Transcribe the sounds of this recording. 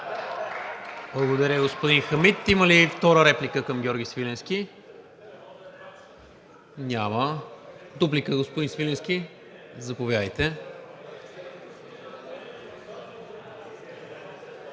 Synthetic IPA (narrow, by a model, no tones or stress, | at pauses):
blˠɐɡod̪əɾʲəɡospod̪inxəmit̪iməlift̪ɔɾəɾɛplikəkəmɡʲɔɾɡʲisvilɛnsk̟ʲi | nʲamə | d̪uplikəɡospod̪insvilɛnskʲi | zɐpovʲjad̪əjt̪ɛ